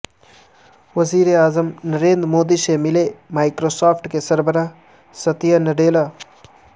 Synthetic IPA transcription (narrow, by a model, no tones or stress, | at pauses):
ʋəziːɾeaːzəmnəɾeːnd̪ɾmoːd̪isemɪlemaːɪkɾosaːpʰʈkesəɾbəɾaɦ | sət̪ijənəɖeːla